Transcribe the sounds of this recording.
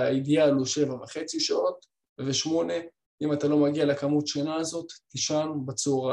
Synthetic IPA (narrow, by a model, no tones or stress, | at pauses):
aid̪ialoʃe̞vameχe̞t͡siʃao̞t̪ | veʃmo̞ne̞ | imat̪alo̞maɡialekamut̪ʃanaːzo̞t̪ːiʃanbat͡suʁa